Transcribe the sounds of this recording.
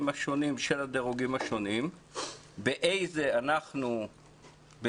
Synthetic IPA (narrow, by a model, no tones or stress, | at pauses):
maʃo̞nimʃelad̪eʁuɡimaʃo̞nim | beʔe̞jze̞anaχnu | be